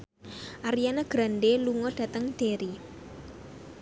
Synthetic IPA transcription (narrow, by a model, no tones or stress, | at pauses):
ʔaɾijanaɡ̥ɾanɖeluŋɔd̥ä̤t̪əŋd̪̥eɾi